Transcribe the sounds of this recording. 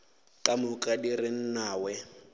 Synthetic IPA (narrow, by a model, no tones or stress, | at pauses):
kʼamʊkʼadirɪn̩naːwɛ